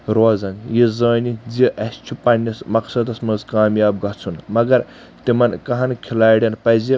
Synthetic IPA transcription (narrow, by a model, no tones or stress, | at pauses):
ɾoːzɐŋɡjizɐːnid͡ziʔɐst͡ʃʰupɐnʲːismɐksɐd̪ɐsmɐzkaːmjaːbɡɐt͡sʰunmɐɡɐɾ | t̪imɐnkɐɦɐnkʰilaːjɽʲɐnpɐzi